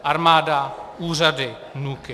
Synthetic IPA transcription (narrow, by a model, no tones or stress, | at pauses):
ʔaɾmaːdauːradɪ | nukɪ